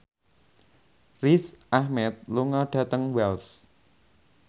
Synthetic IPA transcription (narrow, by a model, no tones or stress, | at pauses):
risʔahmɛt̪̚luŋɔɖ̥a̤t̪əŋwɛls